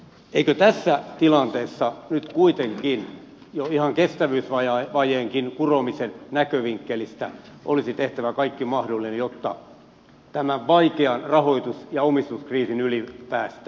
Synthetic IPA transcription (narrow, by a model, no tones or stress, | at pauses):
eikøt̪æsːæt̪ilɑnt̪eːsːɑnyt̪kuit̪eŋkin | joihɑŋkest̪æʋyːsʋɑjɑʋɑjeːŋkinkuromisennækøʋiŋkːelist̪æ̰ʔo̰lisit̪eht̪æʋækɑikːimɑhdolːinejot̪ːɑ̰ | t̪æmæʋʋɑikeɑnrɑhoit̪usjɑomist̪uskriːsinylipæːst̪æ̥